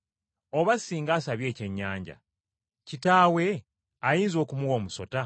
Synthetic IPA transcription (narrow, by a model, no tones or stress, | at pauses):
o̞βasiːŋɡaːsaβje̞ːce̞ɲːaːɲɟa̰ | citaːwe̞ | ajiːnzo̞ːkumuwo̞ːmuso̞ta